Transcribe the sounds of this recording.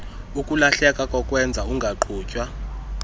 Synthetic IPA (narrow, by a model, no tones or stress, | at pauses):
ukʼulaɬɛkʼakʼɔkʼwɛnd͡zʱauŋɡʱaǃʰuːcʼwa